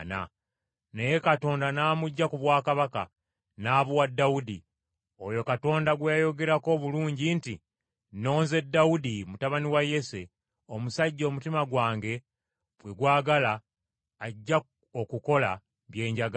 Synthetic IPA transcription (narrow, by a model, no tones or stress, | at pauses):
na̰ | ne̞je̞kato̞ːndanaːmuɟːakuβwaːkaβaka̰ | naːβuwadːaudi | o̞jo̞kato̞ːndaɡwejajo̞ɡe̞ɾako̞ːβuluːɲɟinti | no̞ːnze̞dːaudimutaβaniwaje̞se | o̞musaɟːo̞ːmutimaɡwaːŋɡe̞ | βwe̞ɡwaːɡalaː | ɟːa | okuko̞la̰ | βje̞ːɲɟaɡ